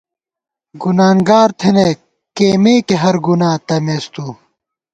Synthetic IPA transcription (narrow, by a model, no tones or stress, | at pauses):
ɡunaːŋɡaːɾt̪ʰene | keːmeːkeɦɐɾɡunaːt̪ɐmeːst̪uː